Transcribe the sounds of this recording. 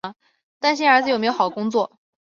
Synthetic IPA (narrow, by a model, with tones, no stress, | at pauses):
t̪a˥˧nɕ̬ə˞˧˥d͡zɹ̩˩o˨˩m˧˥jo˥xɑ˨˩əkʊ˥ŋt͡swɔ˥˩